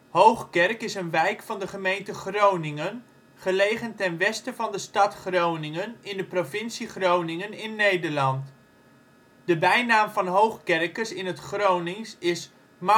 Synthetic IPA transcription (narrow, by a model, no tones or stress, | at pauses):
ɦowχkɛrkɪsənʋɛjkfɑndəχəmejntəχrownɪŋən | χəlejχəntɛnʋɛstəvɑndəstɑtχrownɪŋənɪndəprovɪnsiχrownɪŋənɪnːejdəɹlɑnt | dəbɛjnaːmvɑnɦowχkɛrkəsɪnɦətχrownɪŋsɪs | m